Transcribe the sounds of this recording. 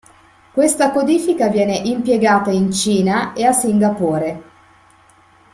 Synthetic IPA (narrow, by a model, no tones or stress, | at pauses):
kwest̪akod̪iːfikavjɛːneʔimpjeɡaːt̪aint͡ʃiːnaeasːiŋɡapoːɾe